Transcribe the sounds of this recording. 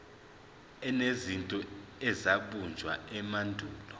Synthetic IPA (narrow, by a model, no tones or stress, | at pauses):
ɛnezintʼɔɛzaɓund͡ʒʱwa̰ɛmandʱuːlɔ